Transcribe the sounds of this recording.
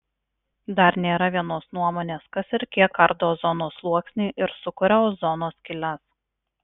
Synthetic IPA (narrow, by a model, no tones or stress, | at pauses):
d̪ɐɾnʲeːɾɐʋʲiɛnoːsnuɔmoːnʲeːskɐsɪɾkʲiɛkːɐɾd̪oːzɔnoːslˠuɔksʲnʲɛɪʔɪɾsʊkʊɾʲɛzɔnoːskʲɪlʲɛs